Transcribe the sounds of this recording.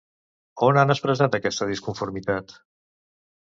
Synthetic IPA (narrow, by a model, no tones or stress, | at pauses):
onanəspɾəzat̪əkɛst̪əðiskuɱfuɾmit̪at̪